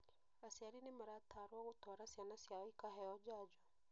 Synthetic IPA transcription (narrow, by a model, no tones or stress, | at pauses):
asjaɾinemaɾat̪ʰːaɾoaɣot̪ʰwaɾasjanasiaikaɦɛɔd͡ʒad͡ʒɔ